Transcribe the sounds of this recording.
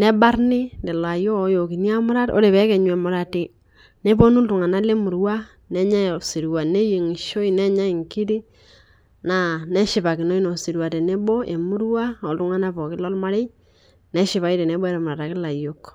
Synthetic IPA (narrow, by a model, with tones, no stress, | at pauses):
nɛ˦ba˦ɾnɪ˦nde˨la˨jo˦o˦jo˨ki˨ni˦a˦mʊ˦ɾa˦to̰˦ɾe˨βɛ˨˦kɛ˨ɲ˨ɛ˨mʊ˨ɾa˨tɪ˨ | ne˦bo˦nu˦ltu˨ŋa˨na˦le˦mu˨ɾwa˦ | nɛ˦ɲa˦˨si˨ɾwa˨ne˦je˨ŋi˨ʃo˦i˦nɛ˦ɲa˦i˨ŋki˦di˦ | na˨nɛ˦ʃɪ˨pa˨kɪ˨no˦i˦no˨si˨ɾwa˨te˨ne˦bo˦ʔe˨mu˦ɾwa˦o˨ltu˦ŋa˦na˦pɔ˨kɪ˦lɔ˦lma˦ɾe˦ | ne˦ʃɪ˨βa˨˦i˦te˨ne˦bɔ˦e˦ɾe˨mʊɾa˨ta˨kɪ˦la˨jo˦k